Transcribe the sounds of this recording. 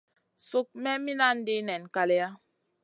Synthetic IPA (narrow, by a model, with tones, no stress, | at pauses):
su˦k̚mɛ˦mi˦na˦n˦di˦nɛ˨n˨ka˨lɛ˦a˦